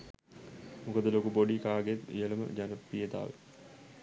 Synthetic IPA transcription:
mukəd̪əlokupoɖikaːɡet̪ḭjələmə̰d͡ʒanəpːijəd̪a̰ːʋə̰

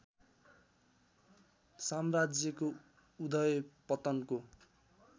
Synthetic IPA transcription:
samrad͡zjʌko | ud̪ʌjpʌt̪ʌnko

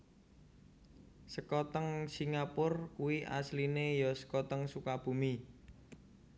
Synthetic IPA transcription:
səkɔt̪əŋsiŋapʊrkuwiʔa̰slinejɔsə̥kɔt̪əŋsukab̥ṳmi

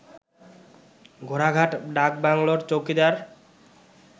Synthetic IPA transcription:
ɡʱoɾaɡʱaʈɖak̚baŋloɾt͡ɕokid̪aɾ

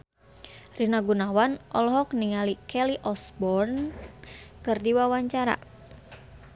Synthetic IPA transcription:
rinaɡunawanʔɔlɔɦɔk̚niŋalikʰɛliʔɔsbɔrn | kɨrdiwawaɲt͡ʃaɾa̰

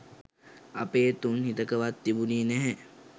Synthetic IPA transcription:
apeːt̪unɦit̪əkəʋat̪ːibuniːnɛɦɛ

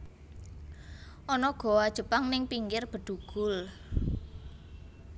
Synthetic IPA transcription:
ʔɔnɔɡ̥ɔ̤wad̥ʒ̥ə̤paŋnɪŋpiŋkɪrb̥ə̤ɖ̪̥uɡ̥ʊ̤l

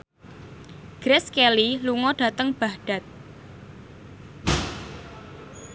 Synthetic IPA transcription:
ɡ̥ɾɛskeliluŋɔɖ̥a̤t̪əŋb̥a̤hɖ̥ä̤t̪̚

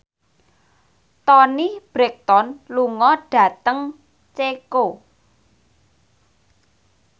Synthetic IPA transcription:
t̪ɔnib̥ɾɛk̚t̪ɔnluŋɔɖ̥ä̤t̪əŋ | t͡ʃeko

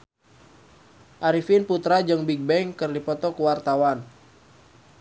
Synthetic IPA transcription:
ʔaɾifinput̪ɾad͡ʒəŋbiɡ̚bɛŋkɨrdipɔt̪ɔkəwart̪awan

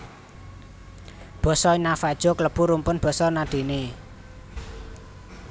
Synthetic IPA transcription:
b̥ɔ̤sɔinafad̥ʒ̥ɔ̤kləb̥uɾumpʊnb̥ɔ̤sɔnaɖ̪̥e̤ne

